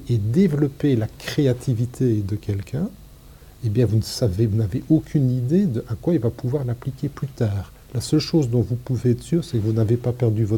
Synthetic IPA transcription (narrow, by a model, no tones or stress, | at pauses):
ed̪evlɔpelakχeat̪ʰivit̪ʰed̪əkʲɛlkʲʰɛ̃ | ebjɛ̃vunəsavevunaveʔokʲʰynid̪ed̪əʔakwailvapuvwaʁlaplikʲeplyt̪aːʁ | lasœlʃozd̪ɔ̃vupuveɛt̪syʁsɛkəvunavepapɛʁd̪yvɔt̪